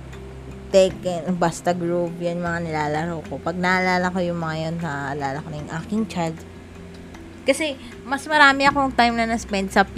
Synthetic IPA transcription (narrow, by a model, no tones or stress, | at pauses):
t̪ɛkɛnbast̪ɐɡɹupjɐnmɐŋanɪlaːlɐɾowkopɐɡ̚nɐʔɐlaːlɐko̞jʊŋmɐŋajonsɐʔɐlaːlɐkonɐjʊŋʔaːkɪŋt͡ʃajld̪ | kɐsɛ | mɐsmɐɾaːmɪɐkoŋt̪ajmnɐnɐspɛnd̪̚sɐp